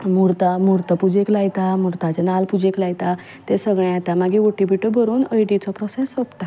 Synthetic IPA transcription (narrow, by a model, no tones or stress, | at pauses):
muɾt̪amuɾt̪əpud͡ʑeklajt̪amuɾt̪at͡ɕenalpud͡ʑeklajt̪a | t̪esəɡɭ̃ẽat̪amaɡiʋoʈibiʈəbʱəɾuːnəjʈit͡sɔpɾɔsesʋəpt̪a